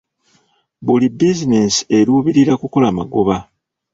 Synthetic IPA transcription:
bulibizinesi̥e̞ɾuːβiɾiɾakuko̞lama̰ɡoβa

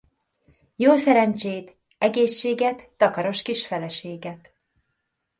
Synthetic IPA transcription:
joːsɛɾɛnt͡ʃeːt̪ | ɛɡeːʃːeːɡɛt̪ːɒkɒɾo̞ʃkiʃfɛlɛʃeːɡɛt̪

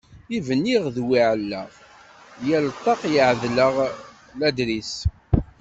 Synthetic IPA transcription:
ivənːiʁðwiʕəlːə̰ʁ | jælt̪ˤːɑqjəʕðləʁ | læd̪ɾis

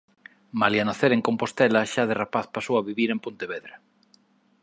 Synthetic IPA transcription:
maljanaθeɾeŋkompost̪ɛlɐʃaðerapaθpasoaβiβiɾempont̪eβeðɾa

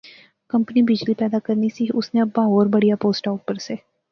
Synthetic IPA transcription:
kɐ̃mpənibɪd͡ʒlipɛːd̪akəɾnisiʊsnẽɐbaɦoːɾbɐɽijapoːsʈaːʊʈ̚pəɾseː

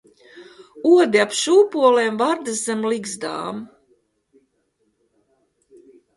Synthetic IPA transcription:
uɔd̪iapʃuːpuɔleːmvaɾd̪ɨzɛmliɡzd̪a̰ːm

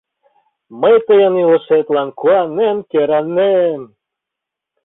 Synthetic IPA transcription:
məjt̪əjɤnilɤ̆ʃet̪lˠɑnkuanːemkeɾɑnːem

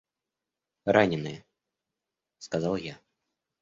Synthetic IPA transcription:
ɾanʲɪnɨjɛ | skazalˠja

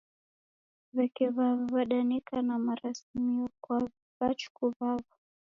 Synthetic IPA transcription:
vɛkɛβavavaɗanikanamaɾasimiɔkwa | vat͡ʃu̥kuvava

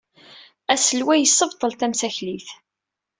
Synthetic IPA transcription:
æsəlwæjəsːəvt̪ˤəlt̪æmsæçliθ

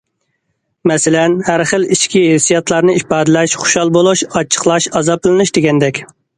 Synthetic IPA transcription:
mɛsɪlɛnhæɾχəliʃkʲiɦesːijɑt̪ʰlˠɑɾnɨipɑːd̪ɨlɛʃχʊ̥ʃɑlˠbolˠuʃɑt͡ʃʰə̥χlˠɑʃɑzɑp̚ɨlˠɨnuʃd̪eɡʲɛnd̪ɛkʲ

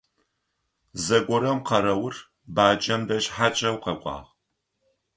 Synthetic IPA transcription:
zɐɡʷʼɔɾɐmqɐɾɐwʊr | baːd͡ʒɐmdɐɕħat͡ʃʼɐwqɐkʷʼɑ̰ːʁ

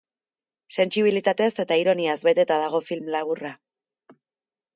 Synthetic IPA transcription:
se̞nt͡ʃiβ̞ilit̪at̪e̞se̞t̪aiɾo̞niazbe̞t̪e̞t̪að̞aɣ̞o̞filmlaβ̞ura

